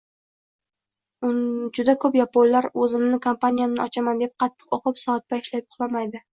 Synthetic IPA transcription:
ʊd͡ʒʊd̪akʰɵpjapollaɾɵzɪmnɪkʰompanijanɪɒt͡ʃʰamand̪e̞p̚qʰɑt̪ʰːɨ̥qoqʰɨpsɒːt̪̚ːaɪʃlajp̚ʊχlˠamajd̪ɪ

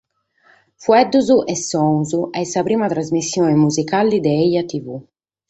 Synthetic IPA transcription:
fuɛd̪uzuʔɛsːɔŋzuʔɛsapɾiːmat̪ɾazmisːjoemuzikalid̪eɛjat̪ivu

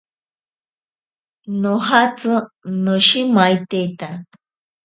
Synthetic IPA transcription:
nõɦat͡sɨnõʃimait̪ejt̪a

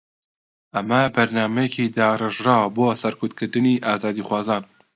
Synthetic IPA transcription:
ʔɐmɐbɐɾnɑːmɛjɛkʰiːd̪ɑːrɨʒɾɑːboːsɛɾkʰʊt̪kʰɨɾd̪ɨniːʔɑːzɑːd̪iːxʷwɑːzɑːn

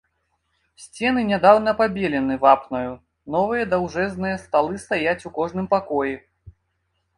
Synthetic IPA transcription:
sʲt͡sʲɛn̪ɨnʲad̪awnɐpabʲelʲɛnɨvapnɐju | nɔvɨjɐd̪awʐɛznɨjɐst̪alˠɨst̪ajat͡sʲukɔʐnɨmpakɔji

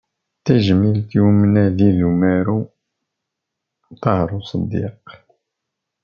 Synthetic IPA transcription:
t̪æʒmilt̪jumnæðiðumæɾu | t̪ɑhɾˤusˤəd̪ːḭq

